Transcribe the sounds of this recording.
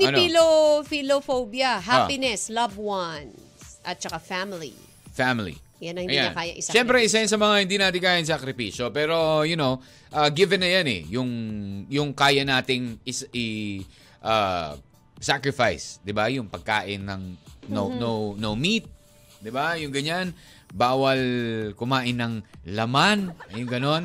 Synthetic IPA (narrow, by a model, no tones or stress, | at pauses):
niɐnilofilofowbjɐɦapɪnɛslɐvwɐn | sʔɐt̪̚t͡ʃɐkafamɪlḭ | famɪlḭ | janɐŋhɪnjiɲɐkaːjɐ̰ʔɪsʃɛmpɾɛʔɪs̬ajans̬ɐmɐŋahɪnd̪inaːt̪ɪŋkaːjɪŋsɐkɾɪpiːʃopɛːɾo̞jʊnow | ʔaːɡɪvɛnɐjanɛ̰jʊŋjʊŋkaːjɐnaːt̪ɪŋɪsɪ | ʔa | sakɾɪfajsd̪ɪbajʊŋpɐɡ̚ka̰ːʔɪnːɐŋnonownowmit̪̚ | d̪ɪbajʊŋɡɐɲan | baːwɐlkʊmaːʔɪnːɐŋlɐmanɐjʊŋɡɐno̞n